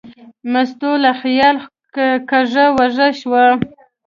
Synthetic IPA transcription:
mast̪olaxjɑl | kaʐawaʐəʃwa

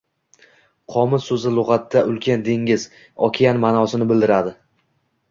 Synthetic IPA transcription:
qʰɒmɪsɵzɪlˠʊʁɑt̪ːaʔʊlˠkʲʰand̪eŋʲɪz | ɒkʲʰijanmanɒsɪnɪbɪld̪ɪɾad̪ɪ

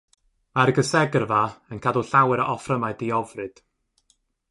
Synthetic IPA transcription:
aɾɡəsɛɡrvaənkʰaduɬawɛɾəʔɔfrəmaɨdiɔvrɨd̥

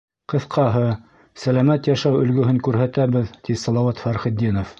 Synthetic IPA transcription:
qɤ̆θqɑɦɤ | sælæmæt̪jæʃæwɵ̆lɡɵ̆ɦɘŋkʉɾɦæt̪æβɘðt̪isɑlˠɑwɑt̪fæɾχɘ̆d̪ːinof

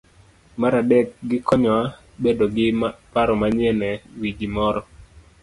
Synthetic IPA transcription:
maɾadɛk̚ɡɪkɔɲɔa | bedoɡɪpaɾɔmaɲɛnɛwiɡimɔɾɔ

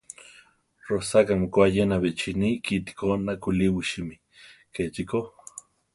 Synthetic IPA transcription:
rosakamikʷajenaβet͡ʃinikit̪i̥konakuliwiʃimi | ket͡ʃiko

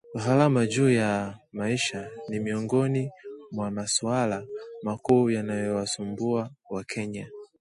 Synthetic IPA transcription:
uɦalamad͡ʒuːjamaiʃanimiɔŋɡɔnimwamasualamakuːjanajɔwasumbuawakʰɛɲa

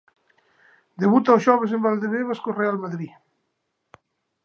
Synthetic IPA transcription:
d̪eβut̪aoʒɔβez̬embald̪eβeβaskorealmaðɾi

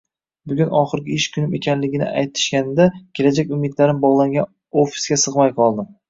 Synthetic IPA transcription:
bʊɡʲʊnɒχɨɾɡʲɪɪʃkʲʰʊnɪme̞̰kʰʲanlɪɡʲɪnɪ̰ʔajt̪ʰːɪ̥ʃkʲanɪd̪akʲʰe̞lad͡ʒakʲʊmɪd̪laɾɪmbɒʁlˠaŋɡʲan | ofi̥sɡʲasɨʁmajqʰɒlˠd̪ɪm

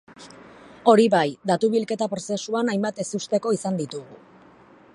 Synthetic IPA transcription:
o̞ɾiβajd̪at̪uβilke̞t̪apɾo̞se̞suanajmbat̪e̞sust̪e̞ko̞isand̪it̪uɣu

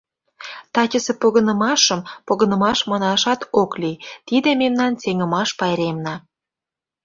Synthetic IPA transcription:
t̪ɑt͡ɕʲəsepoɣə̆nə̆mɑʃə̆mpoɣə̆nə̆mɑʃmɑnɑʃɑt̪oklit̪id̪ememnɑnt͡seŋə̆mɑʃpɑjɾemnɑ

